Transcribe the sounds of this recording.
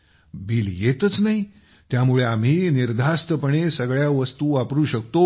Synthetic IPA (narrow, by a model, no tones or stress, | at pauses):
biːljet̪ət͡snaɦi | t̪jamuɭeam̤iːniɾd̪ʱast̪əpəɳesəɡɭjaʋəst̪uːapɾuːɕək̚t̪o